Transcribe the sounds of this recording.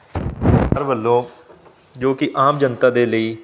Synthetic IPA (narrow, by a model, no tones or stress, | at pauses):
əɾbəlːõː | d͡ʒoːkɪʔaːmd͡ʒənt̪aːd̪eːləiː